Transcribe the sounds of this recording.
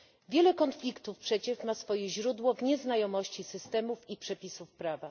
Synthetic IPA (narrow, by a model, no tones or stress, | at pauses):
vʲjɛlɛkɔnflʲikt̪ufpʂɛt͡ɕɛʂmasfɔjɛʑɾud̪wɔvɲɛznajɔmɔɕt͡ɕisɘst̪ɛmufipʂɛpʲisufpɾava